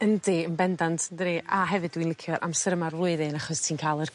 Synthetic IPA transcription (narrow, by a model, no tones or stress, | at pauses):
əndiənbɛndantʰəndɾiːʔaɦɛvɨdwinlɪkʰjɔɾʔa̰msəɾəmarrʊɨðenaχɔstʰiːnkʰaːlˠər